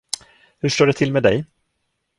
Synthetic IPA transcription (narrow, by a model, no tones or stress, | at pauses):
hɵʂʈoːɖɛt̪ʰɪlmeːd̪ɛj